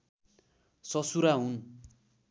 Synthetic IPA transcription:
sʌsuɾaɦun

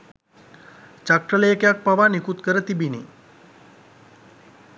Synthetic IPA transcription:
t͡ʃakʈɾəlejkejak̚paʋanikut̪kəɾət̪ibini

